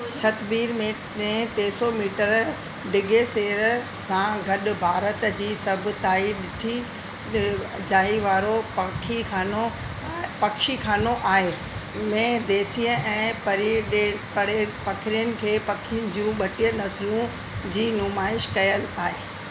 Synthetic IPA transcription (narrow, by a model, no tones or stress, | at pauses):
t͡ɕʰɐt̪biːɾmẽ | mẽʈeːsomiːʈəɾ | ɖɪɡeseːɾ | sãɡʱɐɗʊ̆bʱaːɾət̪d͡ʑiːsɐbʱʊ̆t̪aːiɗɪʈʰi | d͡ʑaːɦiʋaːɾokʰikʰaːno | pɐkʃikʰaːnoʔaːɦe | mẽd̪eːsiːə̃ʔɛ̃ːpɐɾpɐɽpɐkʰɪɾijənɪ̆kʰeːpɐkʰɪnd͡ʑũɓɐʈijə̃nɐslũ | d͡ʑiːnʊmaːɪʃkɐjəlaːɦeː